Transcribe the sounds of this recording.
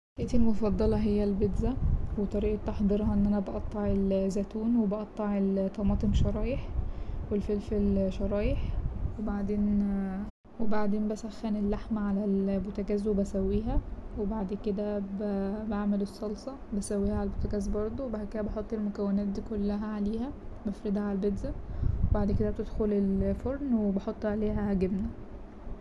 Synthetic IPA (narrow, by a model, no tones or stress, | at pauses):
heːt̪elmofɑd̪ˤːɑlɑɦejːælbed̪zæwet̪ˤɑɾiːʔɑt̪ːɑħd̪ˤeɾɦɑʔenːʔænæbɑʔɑt̪ˤːɑʕelzæt̪uːnwebɑʔɑt̪ˤːɑʕelt̪ːɑmɑːt̪ˤemʃɑɾˤɑːjeħwelfelfelʃɑɾˤɑːjeħwebaʕd̪eːn | webaʕd̪eːmbæsæxːænelːaħmæʕalælbot̪æɡæːzwebæsæwːiːɦæwebaʕd̪ked̪æbbaʕmelesˤːɑlsˤɑ | bæsæwːiːhæʕalælbot̪æɡæːzbɑɾˤd̪ˤowebaked̪æbɑħot̪ˤːelmokæwːenæːt̪̚d̪iːkolːæɦæʕaleːhæbæfɾid̪hæʕalæbed̪zæwebaʕd̪ked̪æb̚t̪ed̪xolelfoɾnwebɑħot̪ˤːʕaleːɦæɡebnæ